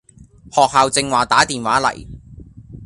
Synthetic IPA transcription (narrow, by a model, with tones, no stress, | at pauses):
hɔː˨k̚haː˨˧wt͡sɪ˧ŋwaː˨˩t̪aː˨˥t̪iː˨˩nwaː˨˥lɐ̰˨˩j